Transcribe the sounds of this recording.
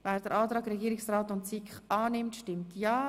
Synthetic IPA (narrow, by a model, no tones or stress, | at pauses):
vɛːɾd̥əɾʔaːtɾaːɡɾɛɡiːɾɪksraːtʊntsikχʔaːnɪmtʃtɪmtʰjaː